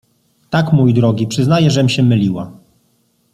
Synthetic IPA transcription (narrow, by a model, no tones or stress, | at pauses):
t̪akmujd̪ɾɔɡʲipʂɘznajɛʐɛmɕɛmɘlʲiwa̰